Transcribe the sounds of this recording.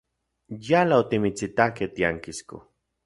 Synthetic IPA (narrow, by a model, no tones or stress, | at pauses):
jalaot̪imit͡sit̪aket̪iaŋkisko̰